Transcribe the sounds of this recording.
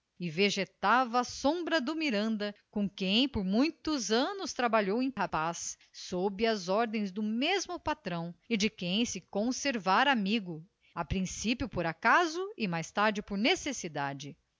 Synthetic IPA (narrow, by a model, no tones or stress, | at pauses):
ɪveʒet̪avɐːsõbɾɐd̪ʊmiɾɐ̃nd̪ɐkõkẽj̃poɾmũj̃t̪ʊzɐ̃nʊst̪ɾabaʎowẽj̃hapasː | obɪɐzɔɾd̪ẽj̃zd̪ʊmezmʊpat̪ɾɐ̃w̃ɪd͡ʒɪkẽj̃sɪkõseɾvaɾamiɡʊ | apɾĩsipjʊpoɾakazʊɪmajst̪aɾd͡ʒɪpoɾnesesid̪ad͡ʒɪ